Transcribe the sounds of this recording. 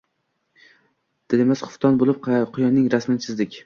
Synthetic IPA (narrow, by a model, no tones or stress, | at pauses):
d̪̥ɪlemasχʊ̥ft̪ʰɒnbolˠɪp̚qʰqʰʊjɒnːɪŋɾasmɪnɪsʰɪzd̪ɪkʲ